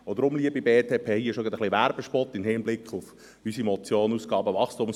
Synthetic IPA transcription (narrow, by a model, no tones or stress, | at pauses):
od̪əɾʊmliəbibeːt̪ʰeːpʰeːhiəʃoɡɑd̪əχliʋæɾb̥əʃpɔt̪ːɪmhɪːmblɪkχʊf | ysimɔt͡sjoːnuːsɡ̥ɑːbəʋɑχstʊms